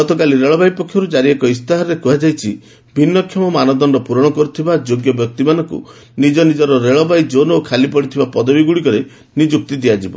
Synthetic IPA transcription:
ɡɔt̪ɔkaliɾeɭɔbajpɔkʰːjɔɾud͡ʒaɾiekɔist̪aɦɔːekuɦad͡ʒajt͡ʃʰi | bʱinːɔkʰːjɔmɔmanɔd̪ɔnɖɔpuɾɔɽ̃ɔkɔɾut̪ʰibad͡ʒoɡjɔbjɔk̚t̪imanɔŋkṵ | nid͡ʒɔnid͡ʒɔɾɔɾeɭɔbajd͡ʒonokʰalipɔɽit̪ʰibapɔd̪ɔbiɡuɽikɔɾe | nid͡ʒuk̚t̪id̪iad͡ʒibɔ̰

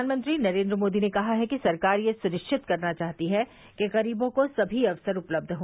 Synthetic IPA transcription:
aːnmə̃nt̪ɾinɐɾẽːnd̪ɾəmoːd̪inekɐɦaɦɛkisɐɾkaːɾjesʊɾɪʃt͡ʃʰɪt̪kɐɾnat͡ʃaːɦt̪iɦɛ | keɣɐɾiːbõkosɐbʱiɐʋsəɾʊpləb̚d̪ʱɦoː

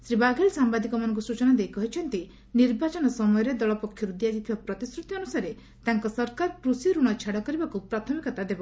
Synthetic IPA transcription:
sɾibaɡʱelsambad̪ikɔmanɔ̃ŋkusut͡ʃɔnad̪ejkɔɦit͡ʃʰɔnt̪i | niɾbat͡ʃɔnɔsɔmɔjɔɾed̪ɔɭɔpɔkʰːjɔɾud̪iasit̪ʰibapɾɔt̪isɾut̪jɔnusaɾe | t̪aŋkɔsɔɾkaɾkɾusiɔɾuɽ̃ɔt͡ʃʰaɽɔkɔɾibakupɾat̪ʰɔmikɔt̪ad̪ebɔ

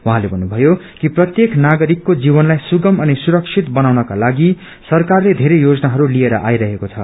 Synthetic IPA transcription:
waɦãlebʱʌnːubʱʌjo | kiprʌt̪jeknaɡʌɾikːod͡zibʌnlajsuɡʌmʌnisuɾʌksʰit̪bʌnawnʌkalaɡi | sʌrkarled̪ʱeɾʌjjod͡zʌnaɦʌɾulieɾʌʔajɾʌɦekot͡sʰʌ

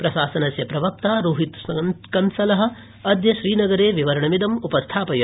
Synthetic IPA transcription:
pɾɐʃaːsɐnɐsjɐpɾɐʋɐk̚t̪aːɾuːɦit̪skɐnsɐlɐɦɐ̆ | ɐd̪jɐʃɾiːnɐɡɐɾeːʋiʋɐɾɐɳɐmid̪ɐmupɐst̪ʰaːpɐjɐ

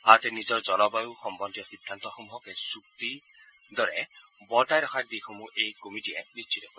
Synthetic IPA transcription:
at̪ɛnizɔɹd͡ʒɔlɔbajuxɔmbɔnd̪iɔxid̪ʱːant̪ɔxomuɦɔkesuk̚t̪i | d̪ɔɾɛbɔtajɾɔkʰad̪ixomuʔejkomiʈiɛnit͡ʃʰit̪ɔkʰɔ

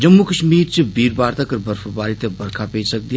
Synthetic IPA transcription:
d͡ʒɐmːukəʃmiːɾt͡ʃibiːɾbaːɾt̪akɐɾbəɾfbaːɾit̪ebɐɾkʰapeːd͡ʒsɐk̚d̪ij

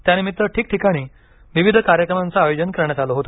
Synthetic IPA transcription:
t̪janimit̪ɾəʈʰiːk̚ʈʰikaɽ̃iː | ʋiʋid̪ʱəkaɾjəkɾəmãnt͡saːjod͡ʑənkəɾɳ̃at͡saloɦot̪

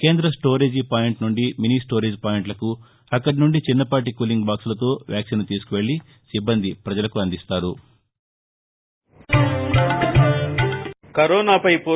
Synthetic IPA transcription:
ke̞ːnd̪ɾɐsʈo̞ːɾeːd͡ʒipaːjeɳʈnuɳɖiminiːsʈoːɾeːd͡ʒpaːjeɳʈlɐku | ɐkːɐʈinuɳɖit͡ʃinːɐpaːʈ̬ikuːliŋɡbaːksulɐt̪oːʋjaːksinut̪iːsu̥kuʋe̞ɭːi | sibːɐnd̪ipɾɐd͡ʒɐlɐkuɐnd̪ist̪aːɾu | kɐɾɔːnaːpɐjpoː

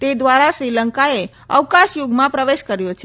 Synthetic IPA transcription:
t̪ed̪ʋaɾaʃɾiləŋkae | ə̰ʋkãʃjoɡmãpɾəʋeʃkəɾjot͡ʃʰe

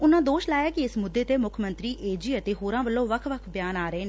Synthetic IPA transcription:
ʊnãːd̪oːʃlaːjaːkɪɪsmʊd̪ːeːt̪eːmʊkʰmə̃nt̪ɾiːʔeːd͡ʒiːət̪eːɦoːɾãːʋəlːõːʋəkʰʋəkʰbjaːnaːɾəeːneː

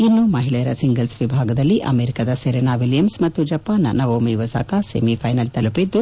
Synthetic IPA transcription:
inːumɐɦiɭɛjɐɾɐsiŋɡɐlsʋibʱaːɡɐd̪ɐlːiʔɐ̰meːɾikɐd̪ɐseɾenaːʋiljɐmsmɐt̪ːud͡ʒɐpaːnɐ̰nɐʋomijʋɐsa̰ːkasemipʰɐjnɐlt̪ɐlupid̪ːu

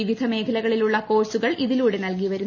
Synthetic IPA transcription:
iʋid̪ʱɐme̞ːkʰɐlɐɣɐɭiluɭːɐko̞ːrsuɣɐɭʔiðiluːɽe̞nɐlk̬iʋɐɾu

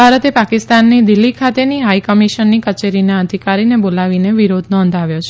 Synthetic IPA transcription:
aɾət̪epakɪst̪anːid̪ɪlːikʰat̪eniɦaikəmiʃənːikət͡ʃeɾinaəd̪ʱikaɾinebolaʋineʋiɾod̪ʱnɔ̃nd̪ʱaʋjot͡ʃʰ

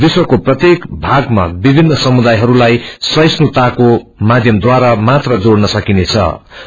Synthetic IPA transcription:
d̪iswʌkoprʌt̪jekbʱaɡma̰bibʱinːʌsʌmud̪ajɦʌɾulajsʌjsnut̪akomad̪ʱjʌmd̪waɾamat̪rʌd͡zoɽnʌsʌkinet͡sʰʌ̰

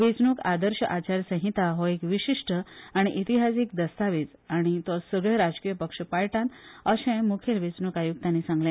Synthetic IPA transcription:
ʋet͡snukad̪əɾɕəʔat͡ɕaɾsə̃ɦit̪aɦɔekʋiɕiʂʈəaɽ̃iʔit̪iɦasik̚d̪əst̪aʋit͡s | aɽ̃it̪ɔsəɡɭjeɾad͡zkijəpəkʂəpaɭʈãnəɕẽmukʰelʋet͡snukajuɡ̚t̪ãnːisãŋɡlẽ

